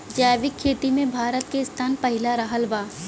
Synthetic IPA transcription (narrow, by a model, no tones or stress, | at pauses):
d͡ʒaːjʋɪkʰːeːt̪imẽbʱaːɾət̪keɪst̪ʰaːnpɐɦɪlaɾɐɦəlbaː